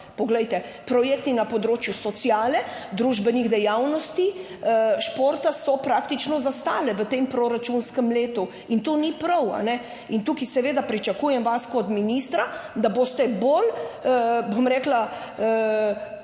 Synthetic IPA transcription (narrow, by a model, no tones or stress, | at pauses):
pɔɡlɛjt̪ɛ | pɾɔjeːkt̪inapɔd̪ɾoːt͡ʃjusɔt̪sjaːlɛd̪ɾuːʒbəniɣd̪ɛjawnɔst̪i | ʃpoːɾt̪asɔpɾak̚t̪it͡ʃnɔzast̪aːlɛʋət̪empɾoɾat͡ʃunskəmleːt̪u | int̪onipɾɐwa̰nɛ | int̪uːkisɛʋeːd̪apɾit͡ʃakuːjɛmʋaskɔt̪minist̪ɾad̪abost̪ɛbol | bomɾɛkla